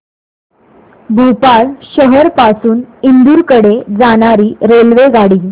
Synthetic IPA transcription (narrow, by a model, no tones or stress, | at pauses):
bʱupaɭɕəɦəɾpasuːnind̪uːɾkəɽed͡zaɽ̃aɾiːɾelʋeɡaɽiː